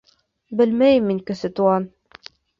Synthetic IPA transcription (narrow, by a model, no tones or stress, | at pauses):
bɘ̆lmæjɘmːiŋkɘ̆sɘt̪uɑn